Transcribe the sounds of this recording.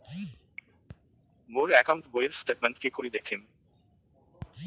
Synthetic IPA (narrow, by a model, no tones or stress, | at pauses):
moɾɛkaʊɳʈbojeɾsʈeʈmẽɳʈkekoɾid̪ekʰem